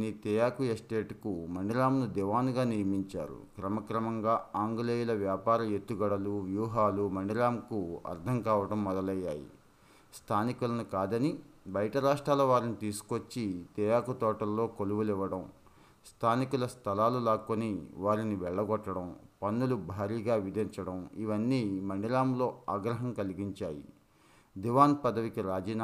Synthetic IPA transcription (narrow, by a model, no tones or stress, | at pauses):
niːt̪ɛjaːkujesʈeːʈkumɐɳɖiɾaːmnud̪ɛʋaːnɡaːnijɐmiɲt͡ʃa̰ːɾṵkɾɐmɐkɾɐmɐŋɡaːaːŋɡɐleːjulɐʋjaːpaːɾɐme̞t̪ːuɡɐɽɐluʋjuːɦaːlumɐɳɖiɾaːmkuɐ̰ɾd̪ʱɐŋkaːʋɐɽɐmːɔd̪ɐlɐjːa̰ːjḭ | st̪ʰaːnikulɐnukaːd̪ɐni | bɐjɐʈɐɾaːʂʈɾaːlɐʋaːɾinit̪iːsu̥kot͡ʃːit̪ɛːjaːkɐt̪ɔːʈɐlːo̞ːkoluʋuliʋɐɽɐm | st̪ʰaːnikulɐst̪ʰɐlaːlulaːkːoniʋaːɾiniʋɛɭːɐɡɔʈːɐɽɐmpɐnːulubʱaːɾiːɡaːʋid̪ʱiɲt͡ʃɐɽɐmiʋɐnːiːmɐɳɖiɾaːmlo̞ːaːɡɾɐɦɐmkɐliɡiɲt͡ʃaːjḭ | d̪iʋaːnpɐd̪ɐʋikiɾaːd͡ʒiːn